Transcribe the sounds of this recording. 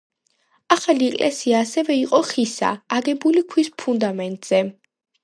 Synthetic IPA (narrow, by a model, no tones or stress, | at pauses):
aχaliɛkʼlʔɛ̰siaːsɛvɛiqʼɔχisa̰ːɡɛbulikʰwispʰund̪amɛnt̪ʼz̥ɛ